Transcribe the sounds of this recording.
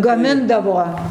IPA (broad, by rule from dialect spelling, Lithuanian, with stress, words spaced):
ɡɐˈmʲɪndɐʋoː